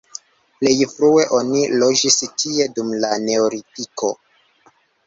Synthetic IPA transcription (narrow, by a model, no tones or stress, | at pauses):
ple̞jfɾue̞ʔo̞nilo̞d͡ʒistʰie̞dumlane̞oɾitiko̞